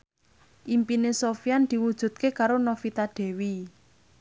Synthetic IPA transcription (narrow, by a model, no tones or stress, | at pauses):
ʔimpinesofiand̪̥i̤wud̥ʒ̥ṳd̪̥̚kekaɾonofit̪aɖ̪̥e̤wi